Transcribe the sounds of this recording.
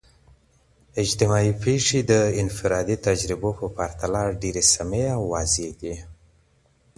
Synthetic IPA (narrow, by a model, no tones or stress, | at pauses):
ɪd͡ʒt̪ɪmɑipeʂid̪əɪnfɪɾɑd̪it̪ad͡ʒɾɪbopəpaɾt̪alɑɖeɾesameawːɑzeɡ̪i